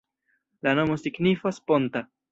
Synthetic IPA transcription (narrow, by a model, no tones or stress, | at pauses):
lano̞mo̞siɡnifaspo̞nta